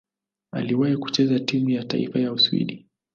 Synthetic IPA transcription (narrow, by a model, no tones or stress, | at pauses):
a̰liwahiku̥t͡ʃɛzatimujata̰ḭfajauswḭɗi